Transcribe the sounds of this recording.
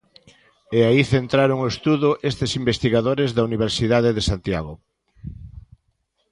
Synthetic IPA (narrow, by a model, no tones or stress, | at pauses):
eaiθent̪ɾaɾoŋoest̪uðʊʔest̪esimbest̪iɣaðoɾezðauniβ̞eɾsiðaðeðesant̪ja̰ɣo